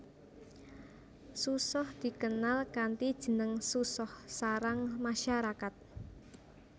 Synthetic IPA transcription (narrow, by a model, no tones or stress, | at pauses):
susɔhd̪̥i̤kənalkant̪id̥ʒ̥ə̤nəŋsusɔhsaɾaŋmaʃaɾakat̪̚